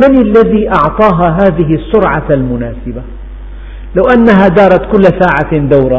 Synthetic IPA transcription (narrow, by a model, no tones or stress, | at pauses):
manɪlːaðiːʔɑʕt̪ˤɑːɦaɦaːðɪɦɪɑsːʊɾʕaalmʊnaːsɪba | lawʔanːaɦad̪ɑːɾˤɑt̪kʊlːsaːʕand̪awɾˤɑ